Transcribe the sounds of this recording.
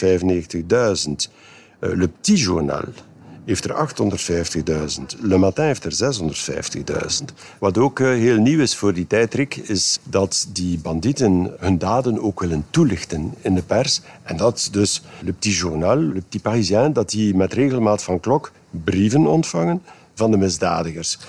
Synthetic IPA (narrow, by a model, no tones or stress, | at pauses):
vɛjvəneːɣtəɣdœɥzənt | ləp̚tiʒṵrna̰lˠɦeːftərɑ̰xtɦɔndərtfɛjftəɣdœːzəntləmatɛ̃eːftərzɛsɦɔndərtfɛ̰jftəɣdœ̰ɥzənt | ʋɑtoːkɦeːlˠniwɪsfoːrditɛjtrikʰɪzdɑtdibɑnditənɦɵndaːdənoːkʋɪləntulɪxtənɪndəpɛrsɛndɑtdɵsləp̚tiʒurnalˠləp̚tiparizjɛndɑtdimɛtreːɣəlˠmaːtfɑnklɔk | brivənɔ̰ntfɑŋən | vɑndəmɪzdaːdəɣərs